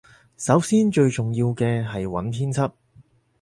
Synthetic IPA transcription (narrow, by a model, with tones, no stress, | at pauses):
sɐ˨˥wsiː˥nt͡ʃɵ˧ɥt͡ʃʊ˨ŋjiː˧wkɛː˧ɦɐ˨jwɐ̰˨˥npʰiː˥nt͡sʰɐ˥p̚